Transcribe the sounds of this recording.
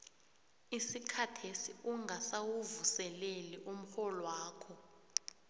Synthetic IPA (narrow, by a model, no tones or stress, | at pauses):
isikʰatʰesiuŋɡʱasawuvusɛleliʔum̩xɔlɔwaːkʰɔ